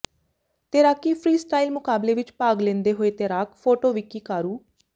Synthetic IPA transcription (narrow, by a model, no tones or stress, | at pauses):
t̪eːɾaːkiːpʰɾiːsʈaːilmʊkaːbleːʋɪt͡ʃpaːɡlẽːnd̪eːɦoːeːt̪eːɾaːkpʰoːʈoːʋɪkiːkaːɾuː